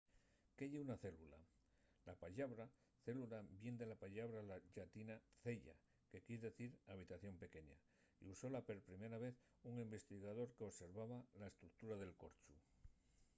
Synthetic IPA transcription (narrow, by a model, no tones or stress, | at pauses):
keʎeunaθe̞lula | lapaʎaβɾa | θe̞lulabje̞nd̪e̞lapaʎaβɾalaʝat̪inaθe̞ʎa̰ | ke̞kiɾðe̞θiɾaβ̞it̪aθjo̞mpe̞ke̞ɲa̰ | ḭuso̞lape̞ɾpɾime̞ɾaβe̞θ | uŋimbe̞st̪iɣaðo̞ɾkeose̞ɾβaβalae̞st̪ɾuk̚t̪uɾaðe̞lko̞ɾt͡ʃu